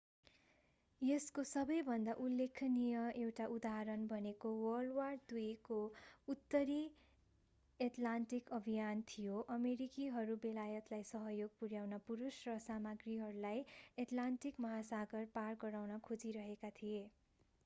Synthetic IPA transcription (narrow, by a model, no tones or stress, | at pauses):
jeskosʌbʌjbʱʌnd̪aʔulːekʰnijʌewʈaʔud̪aɦɾʌnbʱʌnekowʌlward̪ujkout̪ːʌɾi | eʈlanʈikʌbʱijant̪ʰijoʔʌmeɾikiɦʌɾubelajʌt̪lajsʌɦʌjoɡ̚puɾjawnʌpuɾusrʌsamʌɡriɦʌɾulajeʈlaɳʈikmʌɦasaɡʌrparɡʌɾawnʌkʰod͡ziɾʌɦekat̪ʰije